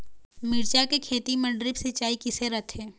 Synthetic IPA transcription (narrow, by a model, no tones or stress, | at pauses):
mɪɾt͡ʃakekʰeːt̪imɐ̃ɳɖɾɪbset͡ʃaːikɪseɾɐt̪ʰeː